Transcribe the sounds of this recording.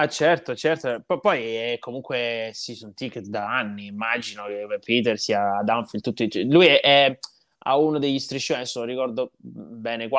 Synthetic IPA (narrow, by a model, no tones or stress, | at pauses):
at͡ʃɛrt̪ot͡ʃɛrt̪opɔpːɔjɛkʰːomuŋkwesisunt̪iket̪d̪aanːiːmːad͡ʒinokeɛpit̪ɛrsiːaːd̪aɱfilt̪ut̪ːot͡ʃɛlujɛʔɛ | a̰unad̪eʎːist̪ɾiʃːoːnɛsːolrikɔrd̪obɛːnekwa